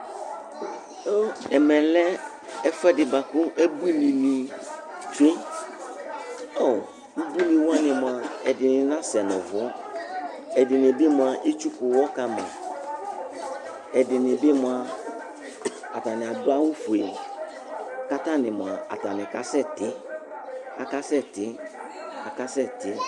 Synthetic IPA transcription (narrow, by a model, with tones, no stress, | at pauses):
o˦ɛ˨mɛ̃˨lɛ˦ | ɛ˦fɛ˦dɪ˨ba˨kʊ˦ʔɛ˦bu˦nĩ˨ni˨ | t͡ʃu˦e˦ | o˨ | nu˦bu˦nɪ̃˨wʊ˦a˦nɪ̃˨mʊ˨a˨ɛ˨dɪ˨nɪ̃˨nã˦sɛ˨nɔ̰̃˨vʊ˨ɔ˦ | ɛ˨dɪ˨nɪ˨bɪ˦mʷ˨a˨ʔe˦t͡ʃu˦kʊ˨wɔ˦ka˦mã̰˨ | ɛ˨dɪ˨nɪ˨bɪ˦mʊ˦a˨ | a˨ta˨nɪ˨a˨dʊ˦a˦wʊ˦fu˨e˨ | ka˦ta˦˨nɪ˨m˨a˨a̰˨ta˨nɪ̃˨ka˦sɛ˦˨tɪ˦ | a˨ka˦sɛ˦tɪ˦ | a˨ka˦sɛ˦˨tɪ˦